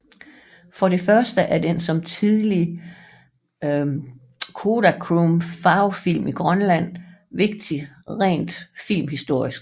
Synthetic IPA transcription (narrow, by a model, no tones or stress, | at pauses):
fɒ̽ɾe̝fɶɐsd̥əʔæɐd̥ensɒ̽mt͡sʰiðˠli | kʰo̝ːɾækʰʁumfɑ̈ʊfil̰miɡ̥ʁɶnlæn̰ʋe̝ɡ̥̚d̥iʁɛ̰ːnd̥fil̰mɦisd̥o̝ɐ̰isɡ̥